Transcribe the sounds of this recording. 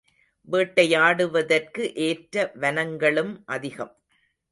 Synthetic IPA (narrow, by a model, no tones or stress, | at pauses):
ʋeːʈːɐjaːɽɯʋɐðɐrkɯʔeːʈɾɐʋɐnɐŋɡɐɭɯmʔɐðɪɣɐm